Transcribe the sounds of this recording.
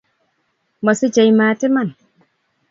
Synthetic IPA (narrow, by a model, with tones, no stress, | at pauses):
mɔ˨si˦d͡ʒajmaːtɛ˦man